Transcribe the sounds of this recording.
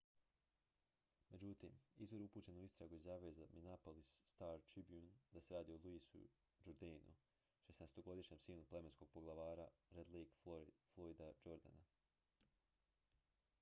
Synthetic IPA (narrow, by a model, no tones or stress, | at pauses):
me̞d͡ʑut̪iːmizʋoɾupuːt͡ɕe̞nouist̪ɾaɡuizjaːʋezaminapolisːt̪aːɾt̪ɾibjund̪aseɾaːd̪iolˠuisṵ | d͡ʒuɾd̪enṵ | ʃesnest̪o̞ɡo̞d̪iʃɲemsiːluple̞me̞nsko̞ɡ̚po̞ɡlˠaʋaːɾaɾed̪liːɡoflˠoid̪ad͡ʒoɾd̪a̰na